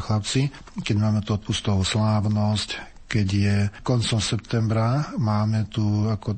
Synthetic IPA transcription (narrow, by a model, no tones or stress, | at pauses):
xlap̚t͡si | kɛɟmaːmɛt̪uɔt̪̚pust̪ɔʋɔslaːʊnɔsc | kɛɟjɛkɔnt͡sɔmsɛp̚t̪ɛmbɾamaːmɛt̪uakɔ